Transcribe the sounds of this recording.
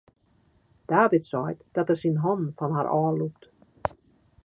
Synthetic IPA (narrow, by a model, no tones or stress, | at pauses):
d̥aːvɪtsɔjtd̥ɔtɛrsinɦɔnn̩fɔnɦaɾʔɔːlup̚t